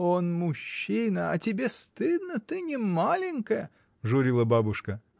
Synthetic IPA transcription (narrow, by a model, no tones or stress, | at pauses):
onmʊɕːinəɐtʲɪbʲest̪ɨd̪nət̪ɨnʲɪmalʲɪnʲkəjə | ʐʊɾʲilˠəbabʊʂkə